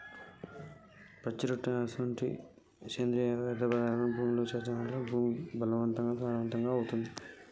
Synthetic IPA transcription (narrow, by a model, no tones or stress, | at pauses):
pɐt͡ʃːiɾuʈːɐaːsʋɐɳʈḭ | t͡ʃeːnd̪ɾijɐʋɛd̪ʱɐpɾɐd̪aːɾɐnɐmbʱuːmlot͡ʃeːt̪ɐnɐlːoːbʱuːmbɐlɐʋɐnt̪ɐŋɡaːsaːɾɐʋɐnt̪ɐŋɡaːɐwut̪und̪i